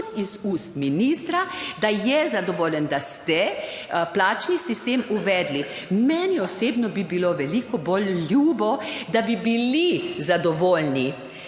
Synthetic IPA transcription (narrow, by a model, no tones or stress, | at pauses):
t̪izust̪minist̪ɾad̪ajɛzad̪ɔʋoːlʲjənd̪ast̪ɛ | plaːt͡ʃnisist̪eːmuʋɛd̪li | mɛːnɛɔseːbnɔbibiloʋɛliːkɔbolːjuːbɔd̪abibilizad̪ɔʋoːlni